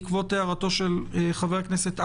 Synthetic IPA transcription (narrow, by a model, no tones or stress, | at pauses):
kvo̞t̪ːeaʁato̞ʃelχaveaknese̞t̪a